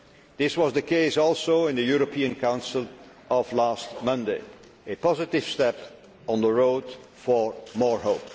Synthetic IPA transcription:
ðɪswʌzðɨkʰeɪsɔlˠsoʊɪ̃nðɨjuɹəpʰiɨ̃nkʰãʊ̃nsl̩ˠʔʌvlæst̚mʌ̃ndeɪ | ɨpɑzɨtɪv̥stɛp | ɔ̃nðəɹoʊdfə˞mɔɹhoʊp

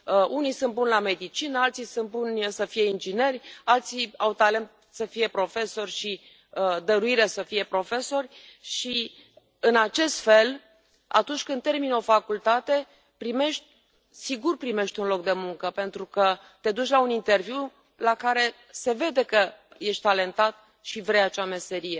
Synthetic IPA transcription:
unijsɨnt̪bunlame̞d̪it͡ʃinəalt̪sisɨnt̪̚bunʲsəfije̞ind͡ʒine̞rʲalt̪siawt̪ale̞nt̪̚ | səfije̞pɾo̞fe̞so̞rʲʃi | d̪əɾuiɾesəfije̞pɾo̞fe̞so̞rʲʃi | ɨnat͡ʃe̞st̪fe̞l | a̰t̪unt͡ʃʲkɨnermino̞fakult̪at̪e̞ | pɾime̞ʃt̪ʲ | siɡurpɾime̞ʃt̪ʲunlok̚d̪e̞muŋkəpe̞nt̪ɾukə | t̪e̞d̪ut͡ʃlaunint̪e̞rvjiu | lakaɾe̞ | se̞ve̞d̪e̞kəjeʃt̪̚ʲt̪ale̞nt̪at̪ | ʃivɾejat͡ʃame̞se̞ɾije̞

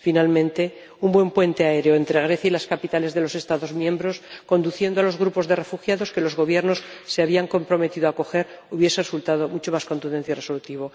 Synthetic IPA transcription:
finalmẽ̞nt̪e̞ | umbwe̞mpwe̞nt̪e̞ae̞ɾeo̞ent̪ɾe̞ɣ̞ɾe̞θjailaskapit̪ale̞zðe̞lo̞se̞st̪aðo̞zmjẽ̞mbɾo̞sko̞nd̪uθje̞nd̪oalo̞zɣ̞ɾupo̞zðe̞re̞fuxjaðo̞ske̞lo̞zɣo̞βje̞ɾno̞sseaβ̞iaŋko̞mpɾo̞me̞t̪iðoako̞xe̞ɾ | uβje̞seresult̪að̞o̞mut͡ʃomasko̞nt̪und̪enθjaireso̞lut̪iβo

